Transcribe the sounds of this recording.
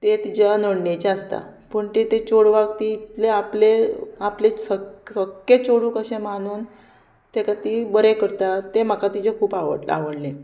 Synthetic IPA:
t̪et̪id͡ʑanəɽɳet͡ɕeəst̪a̰ | pəɳt̪et̪et͡ɕoɽʋaɡ̚t̪iːt̪leapleaplesəsəkːet͡ɕoɽuːkəɕẽmanuːn | t̪ekat̪ibəɾekəɾt̪at̪em̤akat̪id͡ʑekʰuːpaʋə̰ʈla̰ʋəɽlẽ

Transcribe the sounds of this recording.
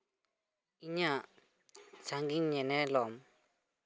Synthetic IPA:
iɲaʔ | sʰaŋɡiŋɲɛnɛlɔm

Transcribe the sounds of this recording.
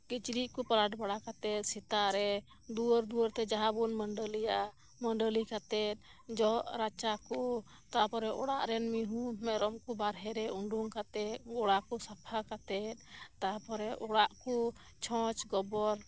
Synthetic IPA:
kit͡ʃɾiʔkupaɾaʈbaɽakat̪ɛt̪̚sit̪aɾɛ | d̪uəɾd̪uwəɾt̪ɛd͡ʒaɦabunməɳɖəlijaa | məɳɖəlikat̪ɛt̪̚ | d͡ʒɔʔɾat͡ʃaku | t̪apɔɾɛʔɔɽaʔɾɛnmiɦũmɛɾɔmkubaɾɦɛɾɛuɳɖuŋkat̪ɛt̪̚ɔɽakusapʰakat̪ɛt̪̚t̪apɔɾɛʔɔɽaʔku | t͡ʃʰɔ̃t͡ʃɡɔbɔɾ

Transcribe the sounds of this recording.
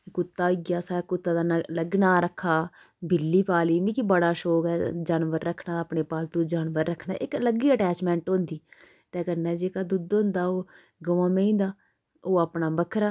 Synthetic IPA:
kʊt̪ːaːɪɡjaːsaːkʊt̪ːãːd̪aːləɡnaːɾəkʰːaː | bʱɪlːiːpaːliːmĩːkibəɽaːʃoːkɛːd͡ʒaːnʋəɾːəkʰːnãːd̪aːpɳeːpaːlt̪uːd͡ʒaːnʋəɾːəkʰnaːʔɪkləɡiːəʈɛːt͡ʃmɛ̃ːɳʈɦõnd̪iː | t̪ɛ̃ːkəɾnɛːd͡ʒeːkaːd̪ʊd̪ɦʊ̃nd̪aːoː | ɡəʋãːmẽĩːnd̪aː | oːaːpnaːbəkʰɾaː

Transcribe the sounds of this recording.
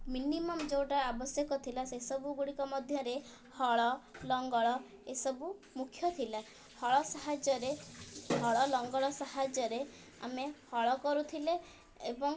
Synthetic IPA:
minimɔmd͡ʒewʈaabɔsjɔkɔt̪ʰilasesɔbuɡuɽikɔmɔd̪ʱjɔɾe | hɔɭɔlɔŋɡɔɭɔ | esɔbu | mukʰjɔt̪ʰila | hɔɭɔsaɦad͡ʒɔɾeɦɔɭɔlɔŋɡɔɭɔsahad͡ʒɔɾe | a̰mehɔɭɔkɔɾut̪ʰileː | bɔŋ

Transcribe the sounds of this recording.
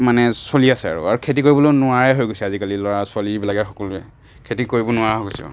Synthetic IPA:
manɛsoliasɛa̰ɹṵaɹukʰetikoɹibɔlonʊaɹɛɦojɡojsɛazikalilɔɹasaliɹbilaɡɛxɔkɔluɛ̰ | kʰetikoɹibɔnʊaɹɦoɡojsɛ̰

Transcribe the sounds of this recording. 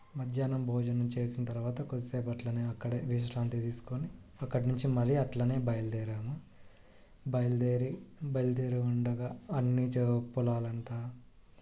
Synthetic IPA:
mɐd̪ʱjaːnɐmbʱɔːd͡ʒɐnɐmt͡ʃe̞ːsinɐt̪ɐɾuʋaːt̪ɐkoseːbɐʈlɐneːɐkːɐɽeːʋiʃ̬ɾaːnt̪it̪iːsu̥koni | ɐkːɐɽnuɲt͡ʃimɐɾiɐʈlɐne̞ːbɐjɐld̪eːɾaːmu | bɐjld̪eːɾibɐjld̪eːɾiuɳɖɐɡaːɐnːit͡ʃepːulaːlɐɳʈaː

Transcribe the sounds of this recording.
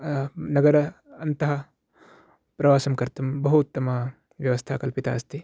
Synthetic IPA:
nɐɡɐɾɐ | ɐnt̪ɐɦɐ | pɾɐʋaːsɐmkɐɾt̪umbɐɦut̪ːɐmɐ | ʋjɐʋɐst̪ʰaːkɐlpit̪a̰ːɐst̪i

